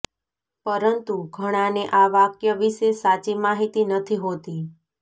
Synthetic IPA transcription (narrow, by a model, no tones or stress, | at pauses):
pəɾənt̪uɡʱəɽ̃ãneʔaʋakjəʋiʃesat͡ʃimaɦit̪inət̪ʰiɦot̪i